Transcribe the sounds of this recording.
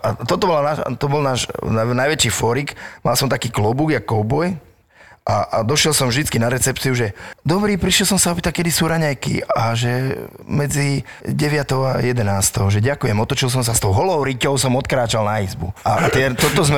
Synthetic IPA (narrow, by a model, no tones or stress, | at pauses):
at̪ɔt̪ɔbɔlanaːt̪ɔbɔlnaːʃnajʋɛt͡ʃiːfɔɾikma̰lsɔmt̪akiːklɔbuɡjakɔbɔj | ʔad̪ɔʃɪɛlsɔmvʒd̪it͡skinaɾɛt͡sɛp̚t͡siuʒɛd̪ɔbɾiːpɾiʃjɛlsɔmsaɔpiːt̪akɛd̪isuːɾaɲajkḭaʒɛmɛd͡zi | ɟɛʋɪat̪ɔʊa̰jɛd̪ɛnaːst̪ɔʊʒɛɟakujɛmɔt̪ɔt͡ʃils̬ɔmsast̪ɔʊɦɔlɔʊɾicɔʊsɔmɔt̪kɾaːt͡ʃalnaizbṵa̰t̪ɪɛt̪ɔt̪ɔzmɛ